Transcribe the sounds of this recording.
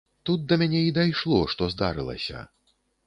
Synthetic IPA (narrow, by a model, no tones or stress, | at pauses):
t̪ut̪̚d̪ɐmʲanʲɛid̪ajʂlˠɔʂt̪ɔzd̪a̰ɾɨlˠɐ̰sʲɐ̰